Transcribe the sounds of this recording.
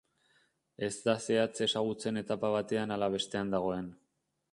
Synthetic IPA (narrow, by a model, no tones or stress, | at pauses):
e̞zd̪ase̞at͡se̞saɣ̞ut͡se̞ne̞t̪apaβ̞at̪e̞analaβ̞e̞st̪e̞and̪aɣ̞o̞e̞n